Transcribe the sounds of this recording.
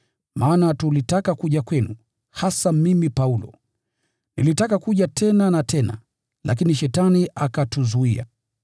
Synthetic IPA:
maːnatulitakakuʄakwɛnu | hasamimipaulɔ̰ | nilitakakuʄatʰɛnanatʰɛna̰ | lʔa̰k̬iniʃɛtaniʔakatuzuia̰

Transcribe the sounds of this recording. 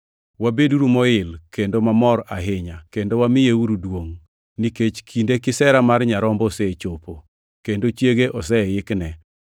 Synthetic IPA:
wabeduɾumɔɪlkendomamɔɾaɦɪɲakendowamɪjeuɾudwoŋ | niket͡ʃkʰindekɪsɛɾamarɲaɾɔmbɔset͡ʃopo | kendot͡ʃjeɡeʔɔsɛjɪknɛ

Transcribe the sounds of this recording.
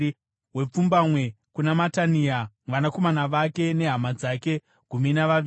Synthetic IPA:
we̞p͡fumbamwe̞ | kunamataniamʋanako̞manaʋake̞ne̞ɦamad͡zake̞ | ɡ̥ʱuminaʋai

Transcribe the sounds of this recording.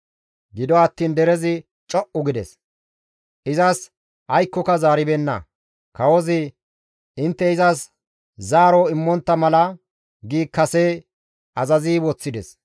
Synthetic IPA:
ɡɪd̪ɔɐt̪ːiːnd̪ɛɾɛzɪ | t͡ʃʼɔʔʊɡɪd̪ɛ̰s | ʔɪzɐs | ʔɐjkːɔkɐzaːɾɪbɛnːɐ̰ | kɐwɔzɪ | ɪnt̪ːɛɪzɐs | zaːɾɔɪmːɔnt̪ːɐmɐlɐ | ɡiːkːɐseː | ɐzɐziːwɔt͡sːɪd̪ɛs

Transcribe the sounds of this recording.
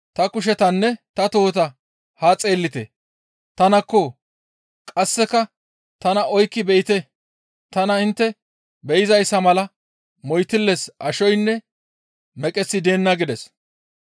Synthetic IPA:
t̪ɐkʊʃ̬ɛt̪ɐnːɛt̪ɐt̪o̞ːt̪ɐ | haːt͡sʼe̞ːlːɪt̪ɛ̰ | t̪ɐnɐkːɔ | kʼɐsːɛkɐ | t̪ɐnɐɔjkːɪbɛjɪt̪ɛ | t̪ɐnɐɪnt̪ːɛ | bɛjɪzɐjsːɐmɐlɐ | mɔjt̪ɪlːɛsʔɐʃɔjnːɛ | mɛkʼɛsːɪd̪eːnːɐɡɪd̪ɛs

